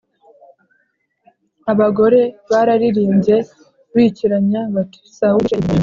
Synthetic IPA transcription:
aβaɡo̞ɾe̞βaɾaɾiɾiːɲɟe̞ | βiːciɾaɲaβatu̥sau

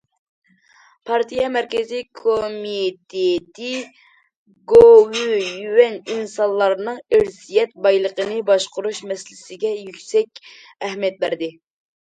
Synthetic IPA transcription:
pʰɑɾt̪ʰijɑmɛɾkʲɪzijkʰomit̪ʰet̪ʰɪ | ɡowyjywɛninsɑnlˠɑɾnɨŋɪɾsijɛt̪̚bɑjlˠəqənɨbɑʃqʊɾuʃmɛsɪlɪsɪɡʲɛjykʲsɛkʲɛɦmijɛt̪̚bæɾd̪ɪ

